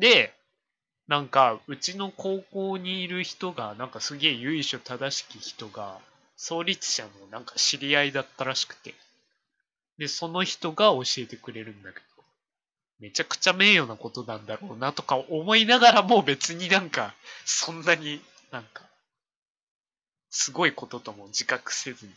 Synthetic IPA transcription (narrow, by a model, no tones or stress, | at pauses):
d̪e̞ | nãŋkaɯ̟t͡ɕino̞ko̞ːko̞ːɲ̟iːɾɯ̟çi̥t̪o̞ɡanãŋkasɨɡʲe̞ːjɯ̟iɕo̞t̪ad̪aɕi̥kʲiçi̥t̪o̞ɡa̰ | so̞ːɾʲit͡sɨ̥ɕano̞nãŋkḁɕiɾʲiaid̪at̪ːaɾaɕi̥kɯ̟̥t̪e̞̥ | d̪e̞so̞no̞çi̥t̪o̞ɡao̞ɕie̞t̪e̞kɯ̟ɾe̞ɾɯ̟̃nd̪ake̞̥d̪̥o̞ | me̞t͡ɕakɯ̟̥t͡ɕame̞ːjo̞ːnako̞t̪o̞nãnd̪aɾo̞ːnat̪o̞kaʔomo̞inaɡaɾamo̞ːbe̞t͡sɨɲ̟inãŋkasõ̞nːaɲ̟i | nãŋka | sɨɡo̞iko̞t̪o̞t̪o̞mo̞d͡ʑikakɯ̟̥se̞zɨɲ̟i